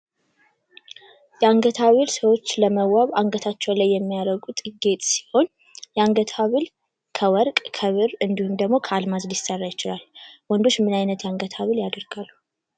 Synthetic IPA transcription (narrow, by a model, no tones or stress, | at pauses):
jɛaŋɡət̪ʰaβɨlsəwo̞t͡ʃːləməwːaβaŋɡət̪ʰat͡ʃːɛwlajːɛmːijaɾəɡut̪ʼɨɡe̞t̪ʼsi̥ho̞n | jɛaŋɡət̪ʰaβɨl | kʰəwɔɾkʼkʰəβɨɾɨnd̪ihumd̪əɡmo̞kʰəalmazljɪsərːajɪt͡ʃɪlalwɔnd̪o̞t͡ʃːmɨnajnət̪jɛaŋɡət̪ʰaβɨljad̪əɾɡ̥alːu